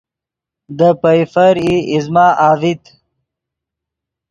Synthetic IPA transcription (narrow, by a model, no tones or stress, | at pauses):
d̪əpəjfəɾiizmaːʔaːvit̪